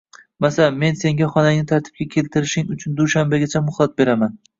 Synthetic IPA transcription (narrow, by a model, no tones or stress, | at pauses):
masame̞nse̞ŋɡʲaχɒnaŋnɪt̪ʰaɾt̪ʰɪ̥b̚kʲakʲʰe̞lt̪ʰɪɾɪʃɪŋʊt͡ʃʰʊnd̪uʃambaɡʲat͡ʃʰamʊhlˠat̪̚be̞ɾaman